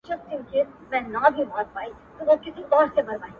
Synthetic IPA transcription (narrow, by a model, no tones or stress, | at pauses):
t͡ʃɐb̚t̪ũːke | mɛ̃nɐbʱibɔːt̪̚paːi | t̪oʋokɪsĩʔɔːɾsebɐɾʋaːĩ